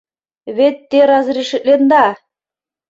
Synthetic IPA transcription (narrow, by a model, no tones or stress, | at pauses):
βet̪ːeɾɑzɾiʃɘ̆t̪̚lend̪ɑ